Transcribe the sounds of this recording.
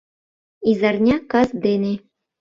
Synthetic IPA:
izɑrnʲɑkɑsd̪ene

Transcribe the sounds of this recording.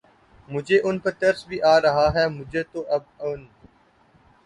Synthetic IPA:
mʊd͡ʒʱeːʔʊnpɐɾt̪ɐɾsbʱiːʔaːɾɐɦaːɦɛːmʊd͡ʒʱeːt̪oːʔɐbʊn

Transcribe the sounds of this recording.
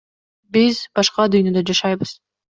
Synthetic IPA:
bizbɑʃqɑd̪yjnø̞d̪ød͡ʒɑʃɑjbɯz̥

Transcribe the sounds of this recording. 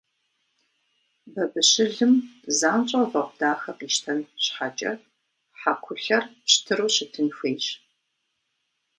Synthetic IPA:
bɐbɨɕɪɮɨmzaːnt͡ʃʼɐvɐqʷʊd̥aːxɐqiːʃtʰɐnɕħat͡ʃʼɐ̰ | ħakʷʰʊɬɐrɕtʰɨɾuːɕɪtʰɨnxʷeːjɕ

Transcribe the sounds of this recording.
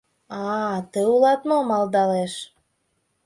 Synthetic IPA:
ɑt̪əulˠɑt̪momɑlˠd̪ɑleʃ

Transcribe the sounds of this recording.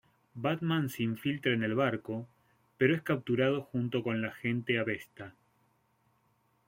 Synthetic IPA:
baðmãnseiɱfilt̪ɾaenelβaɾko̞ | peɾoeskap̚t̪uɾað̞oxunt̪o̞ko̞nlaxe̞nt̪e̞aβe̞st̪a

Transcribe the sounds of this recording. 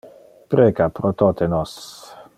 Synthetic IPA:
pɾeːɡapɾot̪ot̪enɔs

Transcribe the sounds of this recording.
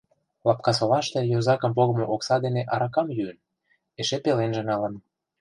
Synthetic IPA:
lɑpkɑs̬olɑʃt̪ĕjozɑkə̆mpoɣɤ̆moʔoksɑd̪eneʔɑɾɑkɑmjyən | eʃepelenʒĕnɑlə̆n

